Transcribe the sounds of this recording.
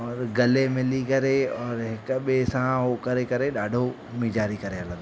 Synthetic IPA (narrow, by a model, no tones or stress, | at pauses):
ɔːɾɡɐlemɪlikɐɾeɔːɾɦɪkɓesãɦokɐɾekɐɾeɗaːɖʱo | mĩd͡ʒaːɾikɐɾeɦɐlə̃